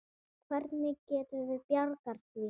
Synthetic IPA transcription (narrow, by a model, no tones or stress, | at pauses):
kʰvɛɾt̪nɪcɛːt̪ʏvɪðpjaɾkaɾ̥t̪vi